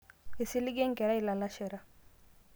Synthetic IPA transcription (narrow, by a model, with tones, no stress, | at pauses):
i˨si˦li˦ɡe˦ŋ˦kɛ˨ɾɛ˦i˨la˨la˦ʃe˨ɾa˨